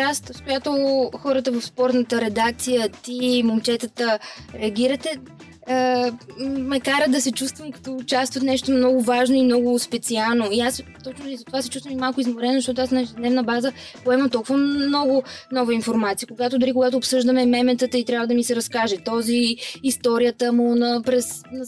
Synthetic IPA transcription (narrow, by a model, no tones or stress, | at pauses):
ast̪skojat̪oxɔɾət̪əvɐfspɔɾt̪nət̪əɾɛd̪ak̚t̪sijət̪imont͡ʃɛt̪ət̪əɾɛɐɡʲiɾət̪ɛ | ə | mɛkaɾəd̪ɐsɛt͡ʃust̪vəmkɐ̥t̪ɔʊt͡ʃast̪vət̪nɛʃt̪omnɔɡʊvaʒnoimnɔɡʊspɛt̪sialˠnoiast̪ɔt͡ʃnʊizɐt̪ovasɛ̥t͡ʃust̪vəmimalˠkʊizmoɾɛnzɐʃt̪ɔt̪oasnɐɛʒɛd̪nɛvnəbazə | poɛmɐt̪ɔlˠkuvənɔɡʊmnɔvəinfoɾmat̪sijəkoɡat̪ʊd̪ʊɾikʊɡat̪̬ʊːpsɤʒd̪əmɛmɛmɛt̪ət̪əit̪ɾʲjavəd̪ɐmisɛɾɐskaʒɛt̪ɔziːst̪ɔɾijət̪əmʊnɐpɾɛsnɐ